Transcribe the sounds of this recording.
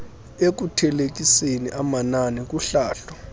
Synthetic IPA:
ek̬utʰɛlek̬ʼiseniʔamananik̬uɬaːɬɔ

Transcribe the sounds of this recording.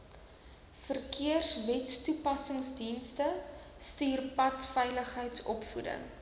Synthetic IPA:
fərkiərsvɛtstupɐsəŋsdinstəstyːrpɐtfɛjləχɦəjtsɔpfudə̰ŋ

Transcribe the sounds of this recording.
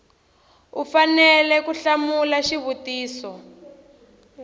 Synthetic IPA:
ufanɛlɛkuɬamulaʃiβutiːsɔ

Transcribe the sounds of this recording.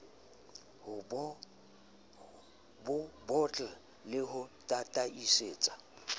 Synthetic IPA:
hʊb | bʊbɔt͡ɬʼa | lɪɦʊtʼatʼaiseːt͡sʼḁ

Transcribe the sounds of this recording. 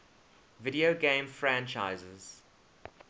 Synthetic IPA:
vɪɾioɡẽɪ̃mfɹæ̃nt͡ʃaɪzəz̥

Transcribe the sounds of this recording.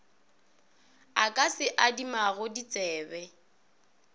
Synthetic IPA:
akʼasɪʔadimaɣʊdit͡sʼɛːbɛ

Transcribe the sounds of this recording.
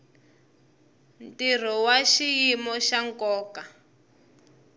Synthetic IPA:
ntir̤ɔwaʃijimɔʃaŋkɔːka

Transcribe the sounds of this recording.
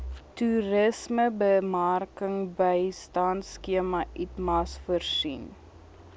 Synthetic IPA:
tuɾəsməbəmarkəŋbəjstɑntskiəmɐʔitmɐsfərsin

